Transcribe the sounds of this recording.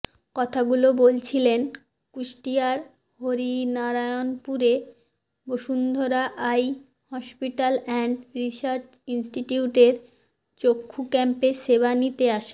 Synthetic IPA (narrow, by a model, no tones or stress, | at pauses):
kɔt̪ʰaɡulobolt͡ɕʰilen | kuʃʈiaɾ | hoɾinaɾajonpuɾe | boʃund̪ʱoɾaʔaj | hɔʃpiʈalɛɳɖɾiʃaɾt͡ɕinsʈiʈiuʈeɾ | t͡ɕokʰːukɛmpeʃebanit̪eaʃe